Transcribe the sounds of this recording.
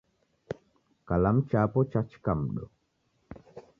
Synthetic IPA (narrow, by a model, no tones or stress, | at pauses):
kalamt͡ʃapɔt͡ʃat͡ʃkamɗɔ̰